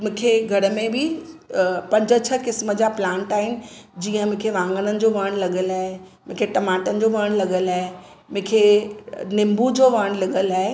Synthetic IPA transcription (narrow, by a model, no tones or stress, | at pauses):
mʊ̃ːkʰeɡʱɐɾəmẽbʱɪ | pɐ̃ɲd͡ʑət͡ɕʰəkɪsməd͡ʑaplãːɳʈaːɦɪnɪ̆d͡ʑiːə̃mʊ̃kʰeʋãːŋɡənənɪ̆d͡ʑoʋaːɽ̃lɐɠəlaːɦe | mʊ̃ːkʰeʈɐmaːʈənɪ̆d͡ʑoʋəːɽ̃lɐɠəlaːɦe | mʊ̃ːkʰenɪmbud͡ʑoʋəːɽ̃lɐɠəlaːɦe